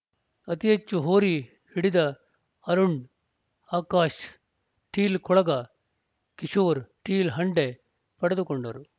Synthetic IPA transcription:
ɐt̪ijɐt͡ʃːuɦoːɾi | hiɽid̪ɐ | ɐɾuɳɖ | aːkaːʃ | ʈiːlkʰɔɭɐɡa | kiʃoːɾʈiːlɦɐɳɖe | pɐɽɐd̪ukoɳɖɐɾu

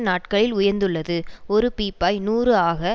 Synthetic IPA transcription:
naːʈkɐɭɪlʊjɐɾnd̪ɯɭːɐðɯɔɾɯpiːpːaːjnuːrɯaːɣɐ

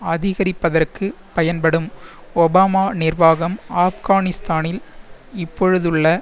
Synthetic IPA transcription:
ɐðɪɣɐɾɪpːɐðɐrkɯ | pɐjɐnpɐɽɯmɔbaːmaːnɪrʋaːɣɐmaːfɣaːnɪst̪aːnɪlɪpːɔɻɯðɯɭːɐ

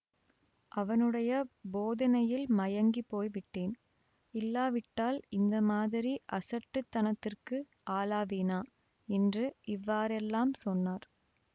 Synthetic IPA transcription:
ʔɐʋɐnɯɽɐjɐboːðɐnɐjɪlmɐjɐŋɡipoːjʋɪʈːeːn | ɪlːaːʋɪʈːaːlɪnd̪ɐmaːðɪɾiʔɐsɐʈːɯt̪ːɐnɐt̪ːɪrkɯ | ʔaːlaːʋeːnaː | ɛndrɯʔɪʋːaːɾɛlːaːmsɔnːaːɾ

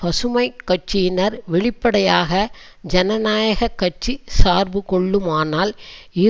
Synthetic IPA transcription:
pɐsɯmɐɪkːɐʈ̚t͡ʃɪjɪnɐɾʋɪɭɪpːɐɽɐjaːɣɐ | d͡ʒɐnɐnaːjɐɣɐkːɐʈ̚t͡ʃisaːɾbɯkɔɭːɯmaːnaːlɪ

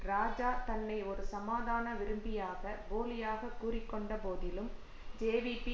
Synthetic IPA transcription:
ɾaːd͡ʒaːɾt̪ɐnːɐɪɔɾɯsɐmaːðaːnɐʋɪɾɯmbɪjaːɣɐboːlɪjaːɣɐkːuːrɪkːɔɳɖɐpoːðɪlɯm | d͡ʒeːʋipi

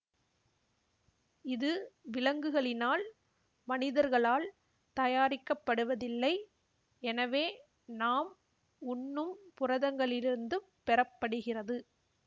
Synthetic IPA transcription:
ɪðɯʋɪlɐŋɡɯɣɐɭɪnaːl | mɐnɪðɐɾɣɐɭaːl | t̪ɐjaːɾɪkːɐpːɐɽɯʋɐðɪlːɐɪ | ɛnɐʋeː | naːm | ʊnːɯmpʊrɐðɐŋɡɐɭɪɾɪɾɯnd̪ɯ | pɛɾɐpːɐɽɯɣɪrɐðɯ

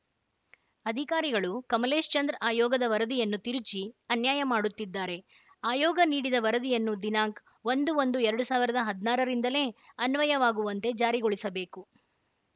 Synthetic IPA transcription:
ɐd̪ʱikaːɾiɡɐɭukɐmɐle̞ːʃt͡ʃɐnd̪ɾaːjɔːɡɐd̪ɐʋɐɾɐd̪ijɐnːut̪iɾut͡ʃiɐnjaːjɐmaːɽut̪ːid̪ːaːɾe̞ | aːjɔːɡɐniːɽid̪ɐʋɐɾɐd̪ijɐnːud̪inaːŋk | ʋond̪uo̞nd̪uɛɾɐɽusaːʋiɾɐd̪ɐɦɐd̪naːɾɐɾind̪ɐle̞ːɐnʋɐjɐʋaːɡuʋɐnt̪e̞d͡ʒaːɾiɡoɭisɐbe̞ːku

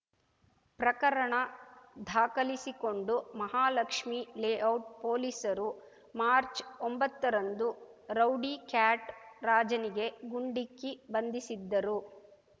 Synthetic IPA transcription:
pɾɐkɐɾɐɳɐd̪ʱaːkɐlisiko̞ɳɖumɐɦaːlɐkʂmileːɐwʈ̚poːlisɐɾu | maːɾt͡ʃombɐt̪ːɐɾɐnd̪uɾɐwɖikaːʈɾaːd͡ʒɐniɡe̞ɡuɳɖikːibɐnd̪isid̪ːɐɾu

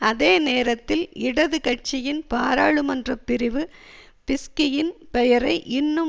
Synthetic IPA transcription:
ɐðeːneːɾɐt̪ːɪlɪɽɐðɯkɐʈ̚t͡ʃɪjɪnpaːɾaːɭɯmɐndrɐpːɪɾɪʋɯ | pɪskɪjɪnpɛjɐɾɐɪʔɪnːɯ

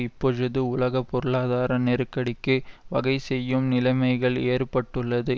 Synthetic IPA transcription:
ɪpːɔɻɯðɯʊlɐɣɐpːɔɾɯɭaːðaːɾɐneːɾkːɐɽɪkːɯʋɐɣɐɪsɛjːɯmnɪlɐɪmɐɪɣɐɭeːrpɐʈːɯɭːɐðɯ

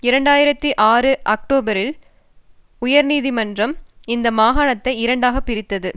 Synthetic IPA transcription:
ɪɾɐɳɖaːjɪɾɐt̪ːiʔaːrɯʔɐk̚ʈoːbɐɾɪl | ʊjɐɾniːðimɐndrɐmɪnd̪ɐmaːɣaːɳɐt̪ːɐɪɪɾɐɳɖaːɣɐpːɪɾɪt̪ːɐðɯ

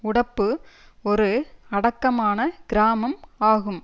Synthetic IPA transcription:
ʊɽɐpːɯɔɾɯɐɽɐkːɐmaːnɐɡ̥ɪɾaːmɐmaːɣɯm

